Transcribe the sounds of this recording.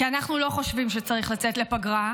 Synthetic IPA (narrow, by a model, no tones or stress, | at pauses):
kianaχnulo̞χo̞ʃvimʃet͡saʁiχlat͡setle̞paɡʁa